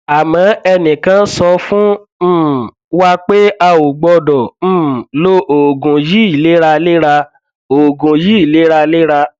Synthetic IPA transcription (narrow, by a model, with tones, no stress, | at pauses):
a˨mã˨˦ɛ˧nĩ˨kã˨˧n̩˦sɔ˧fũ˦˨ | wa˦k͡pe˦a˧o˨ɡ͡bɔ˧dɔ̃˨˦˨lo˦ʔo˨ɡũ˨ji˦i˨le˨˦ɾa˧le˦ɾa˧ | o˨ɡũ˨ji˦i˦˨le˨˦ɾa˧le˦ɾa˧